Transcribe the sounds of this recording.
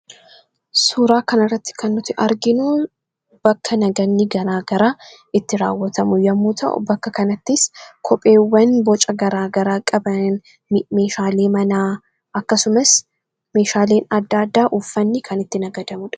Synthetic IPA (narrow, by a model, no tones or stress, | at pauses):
suːɾaːkɐnɐɪrːɐt̪ːɪ̥kʰɐnːʊt̪ɪʔɐɾɡɪnu | b̥ɐkʰːɐnɐɡɐnːɪɡɐɾaːɡɐɾaː | ɪt̪ːɪɾaːwːɐt̪ɐmʊjɐmːuːt̪ʰɐ̰ʔʊ̰bɐkːɐkɐnɐt̪ːɪskʰɔpʼe̞ːwːɐnbɔt͡ʃʼɐɡɐɾaːɡɐɾaːkʼɐbɐ | me̞ːʃaːle̞ːmɐnaː | ʔɐkːɐsʊmɐs | me̞ːʃaːle̞ːnɐd̪ːaːd̪ːaːʔufːɐnːɪkʰɐnɪt̪ːɪnɐɡɐd̪ɐmʊᶑɐ̥